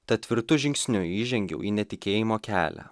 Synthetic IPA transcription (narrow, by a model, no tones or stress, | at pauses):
t̪ɐt̪ʲʋʲɪɾt̪ʊʒʲɪŋʲksʲnʲʊiːʒʲɛŋʲɡʲɛ̰ʊʔiːnʲɛt̪ʲɪkʲeːjɪmoːkʲæ̰ːlʲæ̰